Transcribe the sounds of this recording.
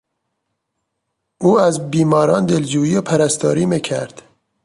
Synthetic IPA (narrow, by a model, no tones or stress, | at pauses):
uːæzbiːmɒːɾɑːnd̪eld͡ʒuːiːepʰæɾæst̪ɒːɾiːmicʰæ̰ɾd̪̥